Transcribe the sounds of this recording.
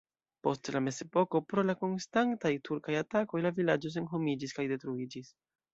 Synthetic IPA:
po̞stlame̞ze̞po̞ko̞pɾo̞lako̞nstantajtʰuɾkajatako̞jlavilad͡ʒo̞s̬e̞nɦo̞mid͡ʒiskajde̞tɾuid͡ʒis

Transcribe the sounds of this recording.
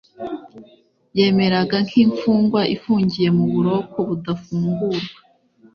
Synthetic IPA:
je̞ːme̞ɾaɡaŋkiɱfuːŋɡwaʔifuːɲɟije̞muβuɾo̞ko̞βudafuːŋɡuɾɡa

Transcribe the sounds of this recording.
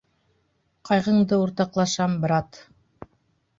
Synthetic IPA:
qʰɑjʁɤ̆ɴd̪ɤuɾt̪ɑqlˠɑʃɑmbɾɑt̪

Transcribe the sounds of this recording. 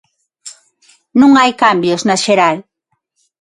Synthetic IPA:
nũŋajkambjoznaʃeɾal

